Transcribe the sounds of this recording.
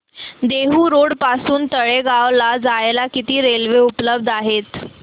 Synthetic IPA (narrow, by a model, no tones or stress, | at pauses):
d̪eɦuːɾoɽpasuːnt̪əɭeɡaʋlad͡zajlakit̪iːɾelʋeupləb̚d̪ʱaɦet̪